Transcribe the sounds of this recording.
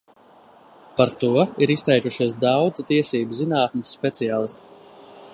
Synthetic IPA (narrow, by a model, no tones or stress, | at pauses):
paɾt̪uɔiɾist̪ɛjkuʃiɔsd̪awd̪zt̪iɛsiːbuzinaːt̪̚mʲisːpʲet̪sijaːlˠist̪i̥